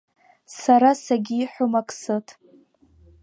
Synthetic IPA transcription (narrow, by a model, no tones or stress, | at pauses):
saɾasaɡʲiːħʷʊmakʼsɨtʼ